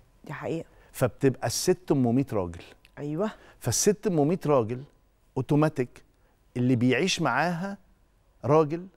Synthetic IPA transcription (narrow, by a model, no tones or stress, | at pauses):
d̪̥iħaʔiːʔæ | fæb̚t̪ebʔæsːet̪ːʊmːomiːt̪ɾˤɑ̰ːɡel | ʔæjwæ | fæsːet̪ːmːomiːt̪ɾˤɑːɡel | ʔot̪omæt̪ek | ʔelːiːbejʕiːʃmaʕaːɦæ | ɾˤɑːɡel